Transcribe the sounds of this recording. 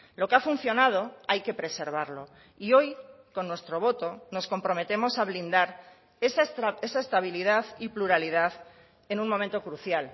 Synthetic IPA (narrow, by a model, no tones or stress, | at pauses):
lo̞keafun̟θjo̞nað̞o̞ajke̞pɾe̞se̞ɾβ̞aɾlo̞ | io̞j | ko̞nːwe̞st̪ɾo̞β̞o̞t̪o̞no̞sko̞mpɾo̞me̞t̪e̞mo̞saβ̞lind̪aɾ | ese̞saest̪aβ̞iliðaθipluɾaliðaθ | e̞nũnmoment̪o̞kɾuθjal